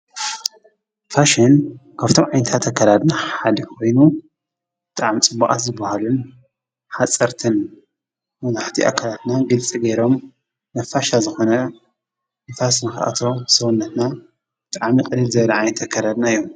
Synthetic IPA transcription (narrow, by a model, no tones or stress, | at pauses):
faʃinkʰaβt̪ʰo̞mʕajnɐt̪ʰat̪ʰakʰːalad̪naħalikʰo̞jnu | b̥ɨt̪ʼaʕamt͡sʼɨbaʔʼa̰t̪zɨbːahalun | ħat͡sʼːɐɾt̪ʰɨn | mɐnaħt̪ʰiʔa̰kʰːalat̪naɡɨlt͡sʼiɡeɾo̞m | nɐfːaʃazɨxo̞nɐ | ɨnfasnɨxa̰ʔa̰t̪ʰo̞sɐwunːɐt̪na | bɨt̪ʼaʕmiqʼɨlɨlzɐβɐlɐʕajnɐt̪ʰakʰːalad̪naijːom